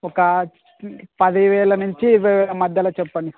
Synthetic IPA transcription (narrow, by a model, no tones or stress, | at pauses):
ɔkɐ | pɐd̪iʋɛːɭɐnuɲt͡ʃiʋɛʋɐmɐd̪jɐlɐt͡ʃɛpːɐɳɖi